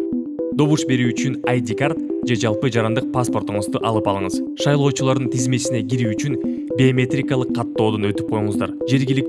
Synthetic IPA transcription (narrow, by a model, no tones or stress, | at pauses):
d̪o̞βuʃbe̞ɾyyt͡ʃynajd̪ʲikart̪d͡ʒe̞d͡ʒɑlˠpɯd͡ʒɑɾɑnd̪ɯq̚paspo̞rt̪uɴɯzd̪uʔɑlˠɯpɑlˠɯɴəzʃɑjlˠo̞ːt͡ʃulˠɑɾd̪ɯnt̪ʰizme̞t͡ʃsine̞ɡʲiɾyːt͡ʃyn | bʲeomʲe̞t̪rʲikɑlˠɯqʰːɑt̪ːo̞ːd̪onø̞t̪yp̚qʰo̞juɴəzd̪ɑ̰ɾd͡ʒe̞ɾɡʲilik̚